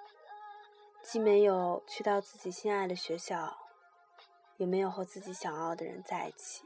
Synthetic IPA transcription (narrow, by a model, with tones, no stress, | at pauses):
t͡ɕi˥˩me˧˥ɪjo˨˩ʊt͡ɕʰy˥˧t̪ɑ˥˧ʊt͡sɹ̩˥˩t͡ɕi˨˩ɕi˥˧na˥˩ɪd̪ə˩ɕɥɛ˧˥ɕjɑ˥˩ʊ | jɛ˨˩me˧˥ɪjo˨˩ʊxwʊt͡sɹ̩˥˩t͡ɕi˧˥ɕjɑ˨˩ŋjɑ˥˩ʊd̪ə˩ɻə̰˧˥nt͡sa˥˧ɪḭ˥˩t͡ɕʰi̥˨˦